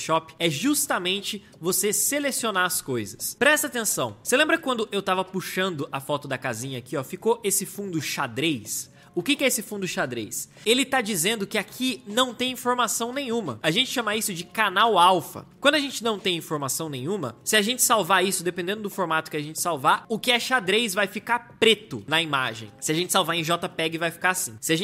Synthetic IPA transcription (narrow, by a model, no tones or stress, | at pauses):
ʃɔpɪ̥ɛʒust̪amẽnt͡ʃɪ | voseselesionaɐskojzɐspɾɛst̪ɐaːt̪ẽsɐ̃w̃selẽmbɾɐkɪkwɐ̃nd̪ʊʔewt̪avɐpuʃɐ̃nd̪ʊʔafɔt̪ʊd̪ɐkazĩɲɐakiɔfikoʔesɪfũnd̪ʊʃad̪ɾejs | ʊkɪkɪɛesɪfũd̪ʊʃad̪ɾḛjs | elɪt̪ad͡ʒizẽnd̪ʊkɪakʰinɐ̃w̃t̪ẽj̃ĩfoɾmasɐ̃w̃nẽj̃ũmɐaʒẽnt͡ʃɪ̥ʃɐ̃maisʊd͡ʒɪkanawawfɐ̰kwɐ̃nd̪ʊɐʒẽnt͡ʃɪnɐ̃w̃t̪ẽj̃ĩfoɾmasɐ̃w̃nẽj̃ũmɐ̰sɪaʒẽnt͡ʃɪ̥sawvaisʊd̪epẽnd̪ẽndʊd̪ʊfoɾmat̪ʊ̥kɪaʒẽnt͡ʃɪ̥sawvaɾʊkɪɛʃad̪ɾejsvajfikapɾet̪ʊnɐimaʒḛ̃j̃sɪaʒẽnt͡ʃɪ̥sawvaẽʒɔt̪ɐpɛɡɪvajfi̥kaasĩsɪaʒẽ